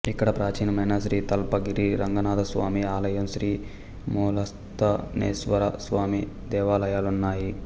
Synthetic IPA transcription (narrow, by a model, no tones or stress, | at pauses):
ikːɐɽɐpɾaːt͡ʃiːnɐmɐnɐsɾiːt̪ɐlpɐɡiɾiɾɐŋɡɐnaːd̪ɐsʋa̰ːmiaːlɐjɐmsɾiː | muːlɐs | t̪ɐnḛːsʋɐɾɐsʋaːmi | d̪ɛːʋaːlɐjaːlunːaːji